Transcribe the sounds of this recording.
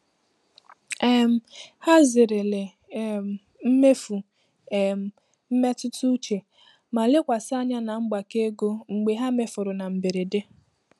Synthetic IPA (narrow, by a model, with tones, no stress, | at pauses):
ɛ˦m̩˨ha˦zɪ˨ɾɪ˨le˨ | m̩˦me˦fu˨ | m̩˨ | m̩˦me˦tʊ˦tu˦t͡ʃe˨ | ma˨le˦kʷa˨sa˦ɲa˦na˨ŋ͡m̩˦ɡ͡ba˨ke˦ɡo˦ŋ͡m̩˨ɡ͡be˨ɦa˦me˨fʊ˨ɾʊ˨na˨m̩˨be˨ɾe˨de˦